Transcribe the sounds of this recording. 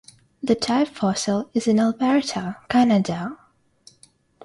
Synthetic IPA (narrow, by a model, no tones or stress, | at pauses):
ðɨtʰaɪpfɔsəlˠɪzɨ̃nəlˠbɛɹtʰəkʰænədə